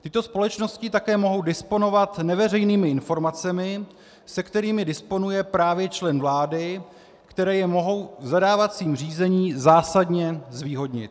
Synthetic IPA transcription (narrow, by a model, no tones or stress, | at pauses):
t̪ɪt̪o̞spo̞lɛt͡ʃno̞scɪt̪akɛːmo̞ɦo̞wdɪspo̞no̞vat̪nɛvɛr̝ɛjniːmɪɪnfo̞ɾmat͡sɛmɪ | sɛkt̪ɛɾiːmɪdɪspo̞nujɛpɾaːvjɛt͡ʃlɛnvlaːdɪ | kt̪ɛɾɛːjɛmo̞ɦo̞wzadaːvat͡siːmr̝iːzɛɲiːzaːsadɲɛzviːɦo̞dɲɪ̰t̪